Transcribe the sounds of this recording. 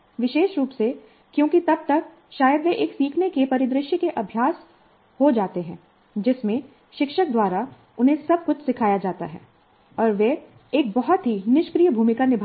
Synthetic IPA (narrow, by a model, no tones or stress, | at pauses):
ʋɪʃeːʃɾuːpse | kjõːkit̪ɐb̚t̪ɐk̚ | ʃaːjəd̪ʋeʔeːksiːkʰnekepɐɾɪd̪ɾɪʃjəkeʔɐbʱjaːs | hod͡ʒaːt̪eɦɛ̃ː | d͡ʒɪsmẽ | ʃɪkʃək̚d̪waːɾa | ʊnɦẽsɐb̚kʊt͡ʃʰsɪkʰaːjad͡ʒaːt̪a̰ɦɛ̰ː | ɔːɾʋe | eːk̚bɐɦɔt̪ɦinɪʃkɾijəbʱuːmɪkanɪbʱ